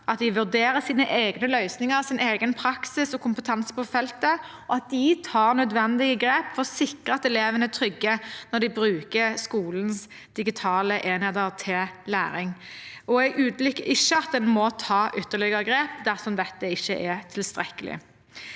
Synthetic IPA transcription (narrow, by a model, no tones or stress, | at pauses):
ʔɑt̪̚d̪ɪʋʉd̪eːɾəsiːnəʔeːɡnəlœʏsnɪŋəʁsɪneːɡənpʰɾɑksɪsɔkʰʊmpət̪ʰɑnsə̥pʰɔfɛlt̪ə | ɔɑt̪̚d̪ɪt̪ʰɑːʁnœd̪ʋɛnd̪ɪɡəɡɾeːpfɔʁsɪkʁəɑt̪ɛleːʋənət̪ʰɾʏɡːənɔd̪ɪbɾʉːkəskuːln̩s | d̪̥ɪɡɪt̪ʰɑːləʔeːnɛd̪əʁt̪ʰɪllæ̰ːɾɪŋ | ɔɛɡʉːd̪lʏkːəɪʃːəɑt̪̚d̪ɛnmɔt̪ʰɑːʔʏt̪ːəʁɭɪɡəʁəɡɾeːp̚d̪æʁsɔmd̪ɛt̪ːəɪçːəʔɛt̪ʰɪlst̪ɾɛkːəlɪ̰